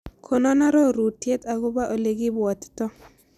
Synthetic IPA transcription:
kʰo˨nɔ˦na˦ɾɔ˦˨ɾu˨tje˦t̪a˨ɡʊ˦ba˦ʔo˨le˨ɡɪ˦bɔ˨t̪tɔ˦

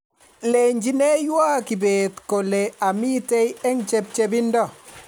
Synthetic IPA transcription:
le˨ɲd͡ʒi˦ne˦jwa˦ki˨be˨t̪ko˨le˨a˨mi˦te˦jɛ˦ŋt͡ʃe˦b̚t͡ʃe˦bɪ˦ndɔ˦˨

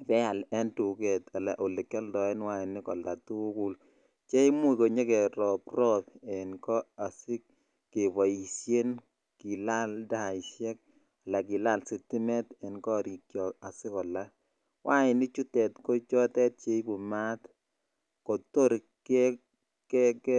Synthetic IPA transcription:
pɛ˦a˨lɛ˦ntu˨kɛ˨ta˨la˨ʔo˨le˨kːɛ˦ldɔ˨ɛ˦nwa˦ɪ˨nɪ˦kɔ˨la˨tu˦ku˦l | t͡ʃe˦i˦mu˦i˨ko˨ɲe˦kɛ˨ɾɔ˨prɔ˦pɛ˨nkɔ˦a˨sɪ˦k | ke˨βɔ˨i˨sje˦n | ki˨la˦lda˦ɪ˨sjɛ˦k̚ | a˨la˨ki˨la˦˨lsi˨ti˦mɛ˦tɛ˨nkɔ˦˨ɾi˨kjɔ˨a˨sɪ˦kɔ˨la˦ | wʔa˦ɪ˨nɪ˦t͡ʃu˦tɛ˨tkɔ˦t͡ʃɔ˦tɛ˦t̚t͡ʃe˦i˦bu˨ma˦t | kɔ˨to˦ɾ | kɛ˦ | kɛkɛ˦

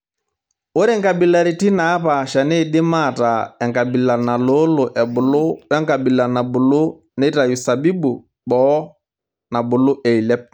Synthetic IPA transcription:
ʊ˦ɾɪ˦ŋka˨bi˨la˨ɾi˨ti˦na˨˦pa˨ʃa˨ne˦˨dɪ˦ma˦˨ta˨ɛ˨ŋka˨bi˨la˨na˨lo˦lʊ˨ʔɛ˨bʊ˨lʊ˦wɛ˦ŋka˨bi˨la˨na˨bʊ˨lʊ˦ | ne˦ta˨ju˨sa˨bi˦bu˨ | bɔ˦ | na˨bʊ˨lʊ˦ʔe˨i˨lɛ˦p̚

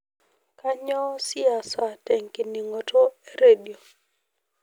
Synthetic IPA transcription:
ka˦ɲɔ˦sɪ˦a˨sa˨tɛ˨ŋki˨ni˨ŋo˨to˦e˦ɾe˦˨di˨o˨

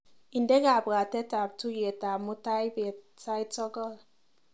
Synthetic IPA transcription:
i˨ndɛ˦ɡa˨bɡa˨tɛ˦ta˨p̚tu˦je˨ta˨mu˦ta˦jbe˨ | ta˦jtɔ˦ɡɔ˦˨l

